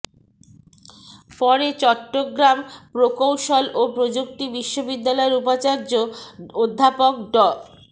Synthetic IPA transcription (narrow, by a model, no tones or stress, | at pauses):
pɔɾet͡ɕɔʈːoɡɾampɾokowʃolopɾod͡ʑuk̚ʈibiʃːobid̪ːalɔeɾupat͡ɕaɾd͡ʑood̪ʱːapokɖɔ